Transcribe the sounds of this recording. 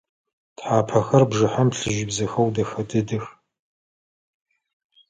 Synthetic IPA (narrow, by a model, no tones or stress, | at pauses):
tħaːpʰɐxɐrbʐɨħampɬɨʒibzɐxɐwdɐxɐdɨdɨx